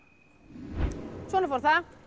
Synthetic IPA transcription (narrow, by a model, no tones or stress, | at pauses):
t͡ʃonfɔɾθa